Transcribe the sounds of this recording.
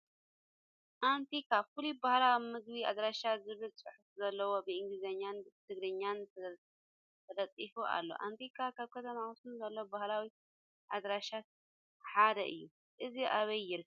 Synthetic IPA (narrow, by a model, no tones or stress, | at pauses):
ʔant̪ʰikʰafulibahlawimɨɡβia̰d̪ɾaʃazɨβɨlt͡sʼɨ̰ħufzɐlːɐwo̞bɨɨŋɡlizɐɲːant̪ʰɨɡɾɨɲːan | t̪ʰɐd̪ɐt͡s̪ʼifuʔa̰lːo̞̰ʔa̰nt̪ʰikʰakʰaβkʰɐt̪ʰɐmawusɨnzɐlːowbahlawi | ʔad̪ɾaʃat̪̚ | ħad̪ɐ̰ʔɨ̰jːu | ʔɨziʔaβɐjːɪɾ